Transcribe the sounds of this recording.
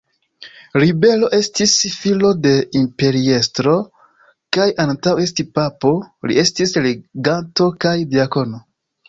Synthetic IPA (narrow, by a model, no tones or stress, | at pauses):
ɾibe̞lo̞ʔe̞stisfilo̞de̞impe̞ɾie̞stɾo̞ | kajantawe̞s̬tipapo̞lḭe̞stisleɡanto̞kajdiako̞no̞